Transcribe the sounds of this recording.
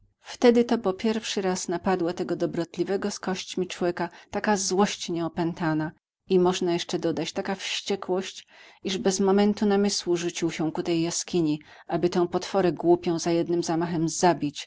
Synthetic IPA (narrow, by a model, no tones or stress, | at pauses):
ft̪ɛd̪ɘt̪ɔpɔpʲjɛɾfʂɘɾasnapad̪wɔt̪ɛɡɔd̪ɔbɾɔt̪lʲivɛɡɔskɔɕt͡ɕmʲit͡ʂwɔvʲjɛkat̪akazwɔɕt͡ɕɲɛɔpɛnt̪ana | imɔʐnajɛʂt͡ʂɛd̪ɔd̪at͡ɕt̪akafɕt͡ɕɛkwɔɕt͡ɕiʐbɛzmɔmɛnt̪unamɘswuʐut͡ɕiwɕɛ̃kut̪ɛjːaskʲiɲi | ʔabɘt̪ɛ̃w̃pɔt̪fɔɾɛɡwupʲjɔ̃w̃zajɛd̪nɘmzamaxɛmzabʲit͡ɕ